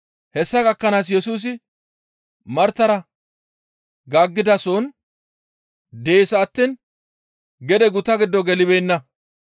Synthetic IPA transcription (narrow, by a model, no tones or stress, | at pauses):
hɛsːɐɡɐkːɐnaːs̬jɛsuːs̬ɪ | mɐɾt̪ːɐɾɐ | ɡaːɡːɪd̪ɐsoːn | d̪eːsɐːt̪ːiːn | ɡɛd̪ɛɡʊt̪ɐɡɪd̪ːɔɡɛlɪβejnːɐ